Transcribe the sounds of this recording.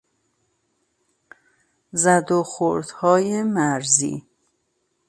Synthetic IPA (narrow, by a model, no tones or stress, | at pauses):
zæd̪oxoɾd̪̥hɒːjemæɾzḭː